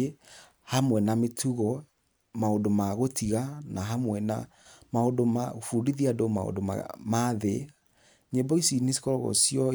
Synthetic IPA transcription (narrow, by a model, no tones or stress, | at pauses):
hamwɛnametʰuɣɔ | maodomaɣotʰiɣanaɦamwɛna̰ | maodoma̰fudiðiadoma̰o̰ndoma̰maðe | ɲebɔisinesi̥kɔɾɣɔ̰sijɔ